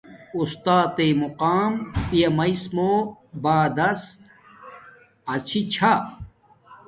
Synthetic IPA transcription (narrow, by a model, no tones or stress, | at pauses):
ust̪aːt̪emuqaːmpijɐmɐismoːbaːd̪ɐs | ɐt͡ɕʰit͡ɕʰa